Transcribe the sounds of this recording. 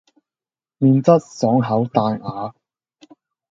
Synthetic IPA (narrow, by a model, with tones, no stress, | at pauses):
miː˨˧nt͡sɐ˥t̚sɔː˨˥ŋɦɐ˨˥wt̪aː˧ŋaː˨˧